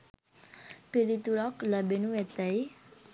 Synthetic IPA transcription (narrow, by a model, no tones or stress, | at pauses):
piɾit̪uɾɔkləbenuet̪əj